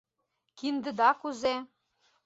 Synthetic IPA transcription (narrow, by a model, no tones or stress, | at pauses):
kind̪ə̆d̪ɑkuze